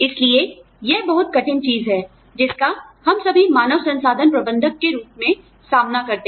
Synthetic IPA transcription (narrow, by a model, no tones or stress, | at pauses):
ɪslie | jebɐɦʊt̪̚kɐʈʰɪnt͡ʃiːzɦɛː | d͡ʒɪskahɐmsɐbʱimaːnəʋsɐ̃nsaːd̪ʱənpɾɐbə̃nd̪ʱəkːeɾuːpmẽ | saːmnakɐɾt̪e